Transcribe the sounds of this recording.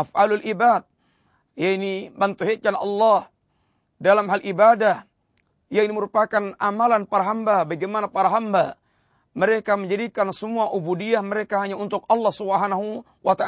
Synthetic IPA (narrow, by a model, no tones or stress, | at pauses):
ʔafʔalualʔibat̪̚ | jainibant̪uɦet͡ʃanɑ̰lːɑh | dalamɦalʔibadah | ijainiməɾupakanamalanpaɾaɦambabaɡemanapaɾaɦamba | məɾekaməɲd͡ʒadikansəmuaʔubudiahməɾekaɦaɲaunt̪ʊkɑlːɑhsubəɦanaɦu | wʔat̪aʔa